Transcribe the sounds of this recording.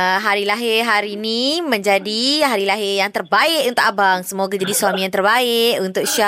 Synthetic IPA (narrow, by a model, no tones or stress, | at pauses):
ɦaɾilaɦɪrɦaɾinimə̃ɲd͡ʒadiɦaɾilaɦɪrjaŋt̪ərbaɪʔunt̪ʊk̚abaŋsəmoɡad͡ʒadisuwamĩant̪ərbaɪʔunt̪ʊk̚ʃa